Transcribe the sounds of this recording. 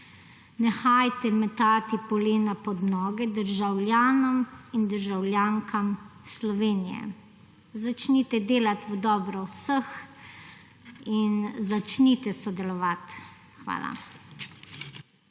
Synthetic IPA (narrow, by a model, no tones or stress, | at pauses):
nɛxajt̪ɛmɛt̪aːt̪ipɔleːnapɔd̪nɔːɡɛd̪əɾʒawlʲjaːnɔmind̪əɾʒawlʲjaːŋkamslɔʋeːnijɛ̰ | zat͡ʃnit̪ɛd̪eːlat̪ʋəd̪ɔːbɾɔwsəx | inzat͡ʃnit̪ɛsɔd̪ɛlɔʋat̪ | xʋa̰ːla̰